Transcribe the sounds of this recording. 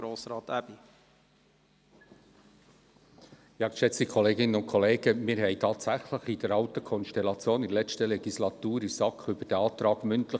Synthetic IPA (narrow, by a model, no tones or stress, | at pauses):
ɾoːsɾɑːt̪æb̥i | jɑːkʃɛt͡stikʰoleːɡɪnənʊntkʰɔleːɡ̥əmɪːɾɦɛɪtʰɑːt̪sæχləχid̥əɾɑltəkʰɔnʃtɛlɑt͡sjoːnɪlɛt͡stəlɛɡ̥islɑt̪uːɾisɑkχyb̥əd̥ɛɑːtɾɑːɡmʏntlə